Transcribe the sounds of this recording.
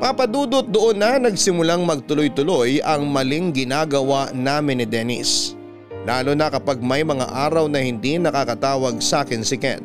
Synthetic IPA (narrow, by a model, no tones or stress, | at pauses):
papɐd̪uːd̪ot̚d̪oʔonːɐnɐɡsɪmʊlaŋmɐɡ̚t̪ʊlojt̪ʊlo̞jʔɐŋmɐlɪŋɡɪnaːɡɐwanaːmɪnːɪd̪ɛnɪ̰s | laːlonɐkɐpaɡ̚mɐjmɐŋa̰ʔaːɾɐwnɐhɪnd̪inɐkakɐt̪aːwɐɡ̚saːkɪnsɪkɛ̰n